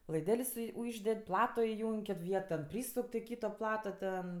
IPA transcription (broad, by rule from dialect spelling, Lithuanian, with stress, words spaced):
lˠɐɪˈdʲɛlʲsʲ sʊɪ ˈʊʒʲdʲɛtʲ ˈplˠɑːtoː ɪˈjʊŋʲkʲ kʲɪt ˈʋʲiɛt tʲɛn ˈpʲrʲiːsʊkʲ toː ˈkʲiːtoː ˈplˠɑːtoː tʲɛn